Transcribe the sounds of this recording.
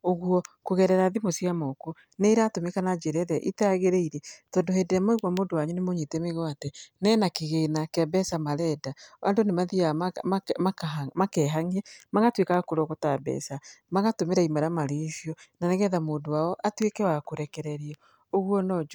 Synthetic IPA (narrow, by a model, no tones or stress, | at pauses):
oɣwɔkoɣɛɾɛɾaðimosijamɔko | neiɾatomekanad͡ʒeɾɛðɛʔitaɣeɾeiɾɛtɔːndohedeɛmɔeɣwamoːndowaɲunemoɲetɛmeɣwatɛnɛːnakeɣeːnakeabɛsamaɾɛdaʔa̰ndonemaðia | mamakɛːɦaŋɛmaɣatwekakoɾɔɣotabɛ̰ːsamaɣatomeɾaimaɾamaɾesijɔnanɛɣɛðamoːndowaɔʔatwekɛwakoɾɛkɛɾɛɾiɔ | oɣwɔnɔd͡ʒ